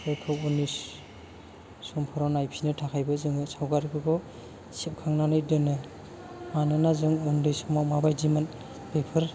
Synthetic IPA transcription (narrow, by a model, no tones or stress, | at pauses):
ɯjkʰɯwunis | sɔmpʰɔɾɔnajpʰinɯtʰakʰajbɯzɯŋɯsawɡaɾkʰɯɡɔ | sip̚kʰaŋnanɯjdɯnɯ | manɯnazɯŋundɯjsɔmawmabajdiman | pepʰɯɾ